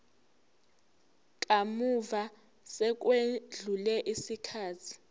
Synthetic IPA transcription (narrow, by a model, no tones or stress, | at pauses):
k̬ʼamuva | sɛk̬ʼweɮulɛʔisikʰaːtʰi̥